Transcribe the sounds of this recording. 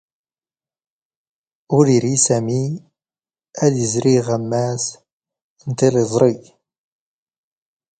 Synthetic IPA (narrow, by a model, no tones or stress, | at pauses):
ʊɾiɾisæmi | æðjəzɾiʁæmːæs | ənt̪elezˤɾˤi